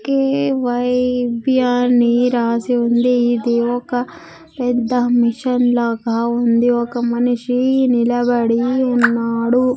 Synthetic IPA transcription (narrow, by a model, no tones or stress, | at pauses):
keʋɐjbjaːniɾaːsiond̪eid̪eoːkɐ | ped̪ːɐmiʃɐnlɐkɐond̪ioːkɐmɐnuʂinilɐbɐɽiunːaːɽu